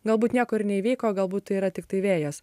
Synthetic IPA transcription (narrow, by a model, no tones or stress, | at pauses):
ɡɐlˠbuːt̪nʲiɛkoːɪɾnʲɛiʋʲɛɪkoːɡɐlˠbuːt̪̚t̪ːɐɪiːɾɐt̪ʲɪk̚t̪ɐɪʋʲeːjoːs